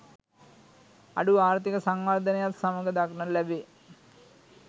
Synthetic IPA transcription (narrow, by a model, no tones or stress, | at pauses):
a̰ɖuaːɾt̪ikəsaŋʋard̪ənejat̪saməɡəd̪aknəlæbe